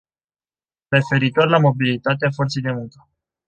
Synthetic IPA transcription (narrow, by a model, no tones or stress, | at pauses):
re̞fe̞ɾit̪o̞rʲlamo̞bilit̪at̪̬eafo̞rt̪se̞jd̪e̞muŋkə̥